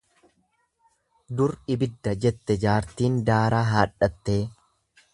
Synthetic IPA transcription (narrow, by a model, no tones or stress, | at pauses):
d̪ʊɾɪbɪd̪ːɐd͡ʒɛt̪ːɛd͡ʒaːɾt̪iːnd̪aːɾaːɦaːᶑɐt̪ːe̞ː